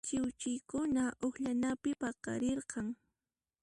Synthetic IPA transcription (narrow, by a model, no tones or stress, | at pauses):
t͡ʃɪwt͡ʃɪjkʊnaʔoχʎanapɪpɑqɑ̰ɾeɾqɑŋ